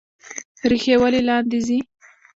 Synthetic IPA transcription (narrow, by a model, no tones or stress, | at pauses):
ɾixewəlelɑnd̪izi